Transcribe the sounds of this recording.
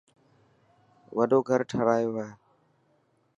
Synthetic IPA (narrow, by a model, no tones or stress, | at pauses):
ʋəɖoːɡʱəɾʈʰəɾaːjoːɦaeː